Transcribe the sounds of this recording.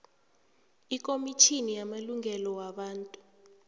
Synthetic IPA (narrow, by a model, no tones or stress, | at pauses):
ikʼomitʰinijamaluŋʱɛlɔwaɓaːntʼu